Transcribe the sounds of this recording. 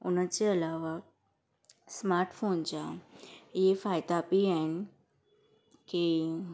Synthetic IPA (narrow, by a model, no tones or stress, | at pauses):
ṵnət͡ʃeəlaʋa | smaɾʈfont͡ʃa | efajd̪aːpiɛn | ke